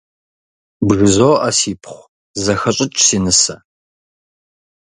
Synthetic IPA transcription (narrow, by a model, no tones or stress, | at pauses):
bɣɨzoːʔɐsiːpʰχʷ | zɐxɐɕʼɪt͡ʃʼsiːnɨsɐ